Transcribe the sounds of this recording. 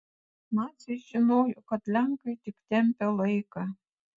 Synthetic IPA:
nɑt͡sʲɐɪʒʲɪnoːjokɐt̪lʲæŋkɐɪt̪ʲɪkt̪ʲɛmʲpʲɛlˠɐɪkɑ

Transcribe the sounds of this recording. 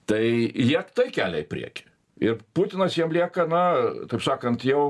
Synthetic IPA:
t̪ɐɪjiɛt̪ɐɪkʲæːlʲɛɪpʲɾʲḭɛkʲɪ̥ | ɪrput̪ʲɪnɐsjiɛmlʲiɛkɐnɐt̪ɐɪpsɑːkɐnt̪jɛʊ

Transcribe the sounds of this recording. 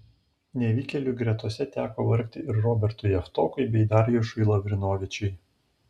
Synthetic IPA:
nʲɛʋʲiːkʲɛlʲuɡɾʲɛt̪uɔsʲɛt̪ʲæːkoʋɐɾʲkʲt̪ʲɪɪɾɾɔːbʲɛɾt̪ʊjɛft̪ɔːkʊɪbʲɛɪd̪ɑɾʲjɛʃʊɪlˠɐʋʲɾʲɪnoːʋʲɪt͡ʃʲɛɪ

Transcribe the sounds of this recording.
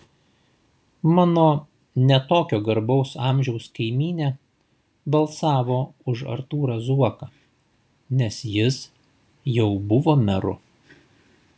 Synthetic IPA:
mɑːnoː | nʲɛt̪oːkʲoːɡɐɾbɒʊsɑːˑmʲʒʲɛʊskɐɪmʲiːnʲeː | bɐlˠsɑːʋoːʊʒɐ̰ɾt̪uːɾɑzuɔkɐ | nʲɛsjɪs | jɛʊbʊʋoːmʲɛɾʊ̰

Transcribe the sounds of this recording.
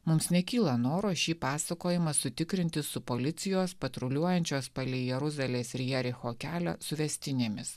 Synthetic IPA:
mʊmsnʲɛkʲiːlˠɐnoːɾoːʃʲiːpɑːsɐkoːjɪmɐsʊt̪ʲɪkɾʲɪnʲt̪ʲɪsʊpoːlʲɪt̪sʲɪjoːspɐt̪ɾɔlʲuɔjɛnʲt͡ʃʲoːspɐlʲɪjɛɾʊzɑlʲeːsɪɾʲjɛɾʲɪxoːkʲæːlʲɛsʊʋʲɛsʲt̪ʲɪnʲeːmʲɪs

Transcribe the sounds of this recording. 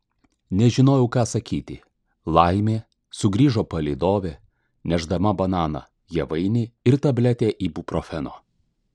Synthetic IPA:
nʲɛʒʲɪnoːjɛʊkɑːsɐkʲiːt̪ʲɪ | lˠɐɪmʲeː | sʊɡɾʲiːʒoːpɐlʲɛɪd̪oːʋʲeː | nʲɛʒd̪ɐmɐbɐnɑːnɐ̰ | jɛʋɐɪnʲɪɪɾt̪ɐbʲlʲɛt̪ʲeːʔiːbupɾoːfʲɛno̰ː

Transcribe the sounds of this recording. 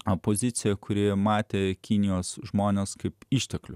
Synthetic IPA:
oːpoːzʲɪt̪sʲɪjɛkʰʊɾʲɪmɑːt̪ʲeːkʲɪnʲɪjoːsʒmoːnʲeskɐɪpiʃʲt̪ʲɛklʲʊ

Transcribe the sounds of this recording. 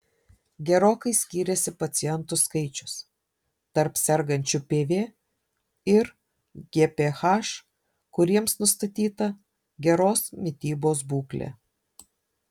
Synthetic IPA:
ɡʲɛɾoːkɐɪsʲkʲiːɾʲɛsʲɪpɐt̪sʲɪjɛnt̪ʊskɐɪt͡ʃʲʊ̥s | t̪ɐɾpsʲɛɾɡɐnʲt͡ʃʲʊpʲeːʋʲeː | ɪɾ | ɡʲeːpʲeːxɑːʃ | kʊɾʲiɛmsnʊst̪ɐt̪ʲiːt̪ɐ | ɡʲɛɾoːsmʲɪt̪ʲiːboːs̬buːklʲḛː

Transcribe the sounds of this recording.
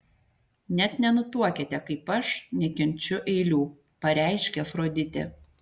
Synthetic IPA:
nʲɛt̪nʲɛnʊt̪uɔkʲet̪ʲɛkɐɪpɐʃnʲɛkʲɪnʲt͡ʃʲʊʔɛɪlʲuː | pɐɾʲæˑɪʃʲkʲɛfɾoːd̪ʲɪt̪ʲɛ̰ː

